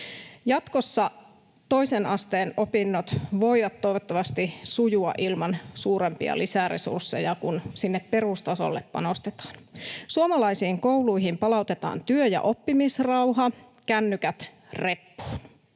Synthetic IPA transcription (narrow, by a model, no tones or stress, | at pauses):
jɑt̪kosːɑ | t̪o̞isenɑst̪eːnopinːot̪ʋojʋɑt̪ːo̞jʋot̪ːɑʋɑst̪isujuɑ̰ʔilmɑnsuːɾempḭɑ̰lisærḛsṵrsːe̞̰jɑkunsinːeppe̞rust̪ɑso̰lːeppɑ̰no̞st̪et̪ɑ̥ːnsuomɑlɑisiːŋko̞uluiɦimpɑlɑut̪et̪ɑ̰ːnt̪yøjɑ̰ʔo̞pːimisrɑwɦɑ | kænːykæt̪ | re̞pːu̥ːn